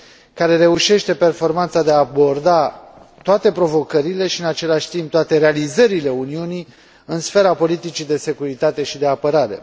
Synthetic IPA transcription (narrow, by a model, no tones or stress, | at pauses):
kaɾe̞ɾe̞uʃe̞ʃt̪e̞pe̞rfo̞rmant̪sad̪eaːbo̞rd̪a | t̪oat̪e̞pɾo̞vo̞kəɾile̞ʃiɨnat͡ʃe̞laʃʲt̪imp̚t̪oat̪e̞ɾealizəɾile̞uniunij | ɨnsfe̞ɾapo̞lit̪it͡ʃid̪e̞se̞kuɾit̪at̪e̞ʃid̪e̞apəɾaɾe̞̰